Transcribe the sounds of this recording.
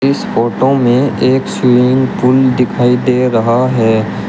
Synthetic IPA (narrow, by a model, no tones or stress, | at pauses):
ɪsfoːʈomẽeːksʊɾɪ̃ŋpʊld̪ɪkʰaːid̪eːɾɐɦaɦɛː